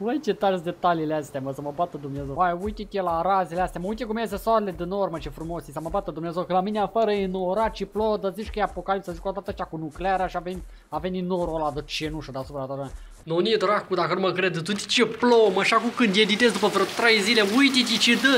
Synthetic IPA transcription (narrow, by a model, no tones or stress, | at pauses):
əjt͡ʃet̪aɾsd̪e̞t̪aliːleast̪eaməsəməbat̪əd̪umnezewajujt̪it̪ʲjelaɾazeleast̪ejaməujt̪ekumies̬esoaɾeled̪enormət͡ʃefɾumo̞sisəməbat̪əd̪umnezekəlamineafəɾəenoɾat͡ʃiplod̪əzit͡ʃkəjeapo̞kalip̚t̪sazit͡ʃkod̪at̪əʃt͡ʃakunukleaɾaʃiaven | aveninoɾolad̪ət͡ʃenuʃt̪ud̪easupɾad̪aɾ | nonied̪ɾakud̪akənuməkɾed̪t̪ut̪it͡ʃeplomaʃakumkɨnd̪jed̪it̪es̬d̪upəvɾot̪ɾejzileujt̪it̪ʲit͡ʃed̪ə